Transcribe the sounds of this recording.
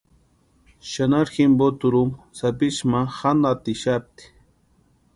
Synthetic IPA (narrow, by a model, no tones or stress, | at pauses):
ʃanaɾximbot̪ʊɾum | sapɪʃmaxanat̪ɪʃap̚t̪i̥